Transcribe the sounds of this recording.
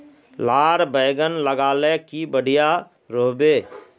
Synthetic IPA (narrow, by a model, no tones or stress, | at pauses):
laːɾbəːɡənləɡaːlekibəɽ̤ɪja | ɾoːbeː